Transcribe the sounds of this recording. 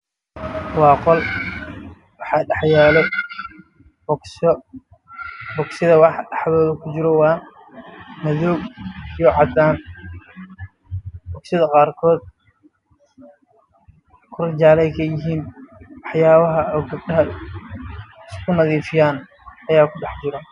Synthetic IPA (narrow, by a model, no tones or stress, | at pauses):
wɑːqɔl | wɑħɑːɖɑħjaːlɛ | b | bɔɡsɪðɐwɑħɗɑħðɔːðɐkʰʊt͡ʃɪɾɔwɑːn | mɐðɔɡijɔʕɑd̪aːn | bɔɡsɪðɐqɑːrkʰɔːd̪̚ | kʰʊrɪt͡ʃaːlɛjkʰɐjɪɦiːnwɑħjaːβɐɦɐɔːɡɐb̚ɖɐɦɐ | ɪskʰʊnɐðiːfɪjaːn | ɐjaːkʰʊɖɛħt͡ʃɪɾɔ